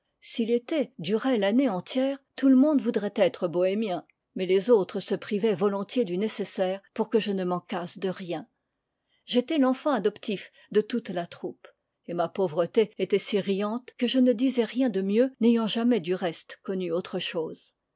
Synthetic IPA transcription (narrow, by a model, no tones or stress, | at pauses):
silet̪ɛd̪yʁɛlaneɑ̃t̪jɛːʁt̪uləmɔ̃d̪vud̪ʁɛt̪ɛt̪χəbɔɛmjɛ̃ | mɛlezot̪χəsəpχivɛvɔlɔ̃t̪jed̪ynesesɛːʁpuʁkəʒənəmɑ̃kasd̪əʁjɛ̃ | ʒet̪ɛlɑ̃fɑ̃ad̪ɔpt̪if | d̪ət̪ut̪lat̪χup | emapovʁət̪eet̪ɛsiʁijɑ̃t̪kəʒənəd̪izɛʁjɛ̃d̪əmjønejɑ̃ʒamɛd̪yʁɛst̪kɔnyot̪χəʃoːz̥